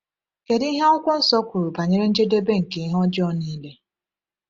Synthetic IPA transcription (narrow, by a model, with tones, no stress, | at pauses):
ke˨dɦe˦ɔ˦kʷʊ˦n̩˦sɔ˦kʷʊ˨ɾu˨pa˨ɲe˦ɾe˦n̩˦d͡ʒe˦de˦be˦ŋ̩˨ke˨i˦ɦɔ˦d͡ʒɪ˦ɔ˦ni˦le˦